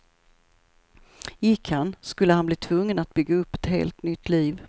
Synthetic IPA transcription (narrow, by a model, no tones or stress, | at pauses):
jɪkʰhanskɵlːəhanbliːt̪ʰvɵŋːənat̪̚bʏɡːaɵpːɛt̪hḛːlt̪nʏt̪ːliːv